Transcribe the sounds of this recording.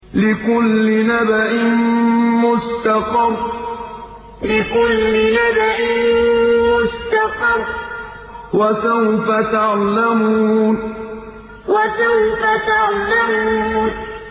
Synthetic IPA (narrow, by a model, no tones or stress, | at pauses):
lɪkʊlːɪnabaʔɪnmʊst̪ɑqɑrˤ | lɪkʊlːɪnabaʔɪnnmʊst̪ɑqɑrˤ | wasawfat̪aʕlamuːn | wasawfat̪aʕlamuːn